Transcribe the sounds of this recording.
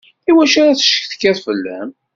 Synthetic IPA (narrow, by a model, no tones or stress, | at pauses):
iwæʃaɾaθə̥ʃə̥kθkːæθfəlːæ̰m